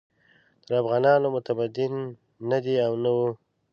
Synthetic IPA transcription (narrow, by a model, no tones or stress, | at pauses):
t̪əɾafɣɑnɑnomʊt̪abad̪ɪnː | ad̪iawnawu